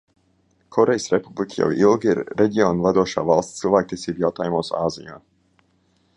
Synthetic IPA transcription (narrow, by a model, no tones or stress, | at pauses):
kʰɔɾɛjsɾepublˠikʰəja̰wilˠɡiɾːɛɟʲionvad̪uɔʃa̰ːvalˠssilˠvæːk̚t̪iɛsiːbjawt̪aːjumuɔsaːzija̰ː